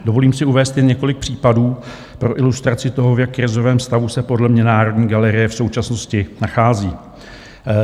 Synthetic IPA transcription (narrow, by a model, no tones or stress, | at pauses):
do̞vo̞liːmsɪuvɛːst̪jɛnɲɛko̞lɪk̚pr̝̥iːpaduː | pɾo̞ʔɪlust̪ɾat͡sɪt̪o̞ɦovjakːɾɪzo̞vɛːmst̪avusɛpo̞dlɛmɲɛnaːɾo̞dɲiːɡalɛɾɪjɛfso̞wt͡ʃasno̞scɪnaxaːziː